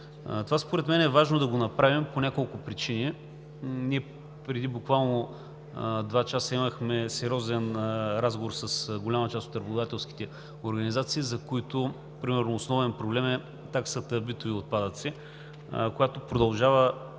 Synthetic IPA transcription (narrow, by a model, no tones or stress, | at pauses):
t̪ovaspoɾɛt̪mɛnɛɛvaʒnod̪ɐɡonɐpɾavimponʲakolˠkʊpɾit͡ʃini | nʲiɛ | pɾɛd̪ibʊkvalˠno | d̪vat͡ʃasəiməxmɛsɛɾʲɔzɛnɾazɡovoɾsɐsɡolʲamɐt͡ʃast̪ot̪ɾɐbʊd̪at̪ɛlˠski̥t̪ɛ | oɾɡɐnizat̪siːzɐkoit̪oʊ | pɾimɛɾnoːsnɔvɛnpɾoblɛmɛ | t̪aksət̪əbit̪oviot̪̚pad̪ət̪si | kojat̪opɾod̪ɐlˠʒavə